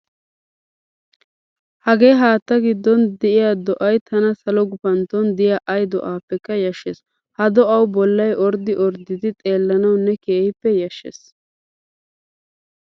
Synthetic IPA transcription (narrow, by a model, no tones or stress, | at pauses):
hɐɡe̞ːɦaːt̪ːɐɡɪd̪ːɔnd̪ɛʔɪjaːd̪ɔʔɐjt̪ʰɐnɐsɐlɔɡʊpɐnt̪ɔnd̪ɪjaːʔɐjd̪ɔ̰ʔaːpːɛkːɐjɐʃːes | hɐd̪ɔʔɐwbɔlːɐjʔɔɾd̪ɪʔɔɾd̪ɪd̪ɪt̪ʼe̞ːlːɐnɐwnːɛkeːhɪpːɛjɐʃːḛs